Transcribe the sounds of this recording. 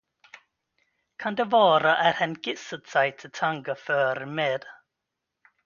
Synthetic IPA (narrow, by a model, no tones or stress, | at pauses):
kʰand̪ɛvɑːɾəʔæɾhənɡɪsəd̪̥saɪt̪ʰɪt̪ʰaŋɡəfœːɾəmɛd̪̥